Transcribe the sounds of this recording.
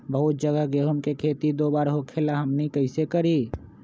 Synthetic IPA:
bəɦʊt̪̚d͡ʒəɡəɦɡeɦʊmkekʰeːt̪id̪oːbaːɾɦokʰelaɦɐmnikəɪsekɐɾiː

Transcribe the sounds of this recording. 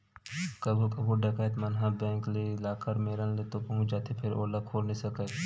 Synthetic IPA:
kɐbʱukɐbʱuɖɐkaːət̪mɐnɦãbɛ̃ːŋklilaːkəɾmeːɾənlet̪opɐũd͡ʒaːt̪ʰipʰɪɾo̰ːlakʰoːlnĩsɐkəː

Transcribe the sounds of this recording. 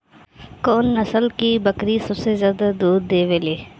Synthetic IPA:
koːnːəsəlkibəkɾisəbsezjaːd̪ad̪uːd̪ːeːʋeːleː

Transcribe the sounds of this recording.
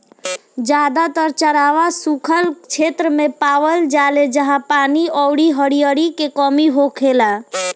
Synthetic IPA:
d͡ʒaːd̪at̪əɾt͡ʃəɾaːʋasukʰəlt͡ʃʰeːt̪ɾəmẽpaːʋəld͡ʒaːled͡ʒəɦãpaːniɔʊɽiɦəɽijəɽikekɔmiɦokʰeːla

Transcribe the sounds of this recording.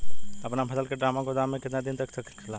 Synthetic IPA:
əpnapʰəsəlkeɖɾamaɡod̪amːekɪt̪nad̪int̪əkʰt̪əkʰkʰila

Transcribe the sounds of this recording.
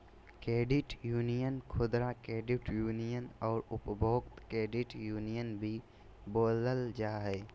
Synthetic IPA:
kɾeːɖɪʈjuːnijənkʰʊd̪ɾakɾeːɖɪʈjuːnijənɔːɾʊpbʱoːɡt̪kɾeːɖɪʈjuːnijənbʱi | boːləld͡ʒaːɦɛː

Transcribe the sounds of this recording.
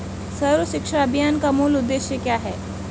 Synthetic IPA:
sɐɾəʃɪkʂaɐbʱjaːnkamuːlʊd̪ːeːʃjəkjaːɦɛː

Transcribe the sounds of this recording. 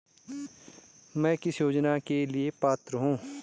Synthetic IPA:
mɛ̃ːkɪsjoːd͡ʒnakeliepaːt̪ɾəɦũː

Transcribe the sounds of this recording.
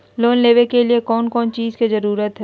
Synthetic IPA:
loːnleːʋekeliekɔːnkɔːnt͡ʃiːzkizɐɾuːɾət̪ɦɛ

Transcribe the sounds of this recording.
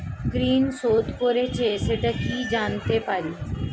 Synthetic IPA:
kɾiːnsod̪ʱkoɾet͡ɕʰeʃeʈakid͡ʑant̪epaɾi

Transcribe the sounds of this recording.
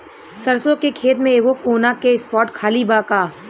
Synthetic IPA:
sɐɾsõkekʰeːt̪̬mẽeːɡokoːnakeɪspɔːɾʈkʰaːlibaːkaː

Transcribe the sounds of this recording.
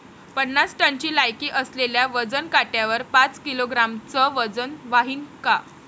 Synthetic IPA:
pənːat͡sʈənt͡ɕiːlajkiːʔəsleljaʋəd͡zənkaʈjaʋəɾpat͡skiloɡɾamt͡səʋəd͡zənʋaɦiːnka

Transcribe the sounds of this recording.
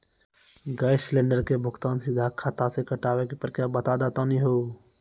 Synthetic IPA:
ɡaːɪslẽːɳɖəɾkebʱʊɡt̪aːnsɪd̪ʱakʰat̪asekɐʈaːʋekepəɾkjaːbɐt̪ad̪at̪aniɦoː

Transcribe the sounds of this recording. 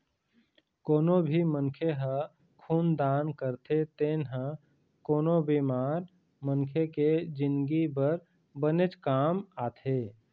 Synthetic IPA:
koːnobʱimənkʰeɦə | kʰuːnd̪aːnkəɾt̪ʰet̪eːnɦə̃ | koːnobimaːɾ | mənkʰjeked͡ʒɪ̃nɡibəɾ | bənet͡ʃkaːmaːt̪ʰeː

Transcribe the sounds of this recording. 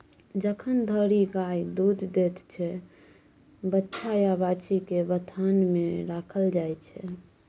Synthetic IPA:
d͡ʒəkʰənd̪ʱəɾiɡajd̪ud̪d̪et̪t͡ʃʰɛ | bətːʃʰajabat͡ʃikebət̪ʰanmeɾakʰəld͡ʒajt͡ʃʰɛ

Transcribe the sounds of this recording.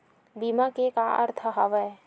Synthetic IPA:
bimakekaʔɐ̰ɾt̪ʰəɦɐʋə

